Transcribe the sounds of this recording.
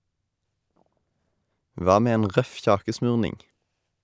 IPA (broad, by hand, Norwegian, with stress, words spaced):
ˈʋɑː ˈmeː ˈeːn ˈʁœf ˈçɑːkəˌsmʉːʁnɪŋ